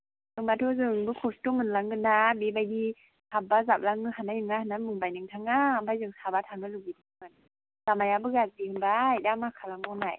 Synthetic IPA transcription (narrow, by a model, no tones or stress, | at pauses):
ɯŋbatʰɔzɯŋbɯkʰɔstɔmɯnlaŋɡɯnabibajdi | hʰabazap̚laŋɯɦanajɯŋahanːamɯŋbajnɯŋtʰaŋabajzɯŋsabatʰaŋɯluɡidʰɯmɯn | z̥amajabɯɡat̚diɯŋbajdamakʰalaŋɔnaj